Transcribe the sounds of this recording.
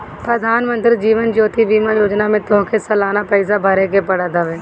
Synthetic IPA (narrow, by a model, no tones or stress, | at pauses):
pɾəd̪ʱaːnmə̃nt̪ɾid͡ʒiːʋənd͡ʒoːt̪ʰibiːmajoːd͡ʒnamẽt̪õkʰesɐlaːnapɛɪs̬abʱɐɾekepɐɽad̪aʋeː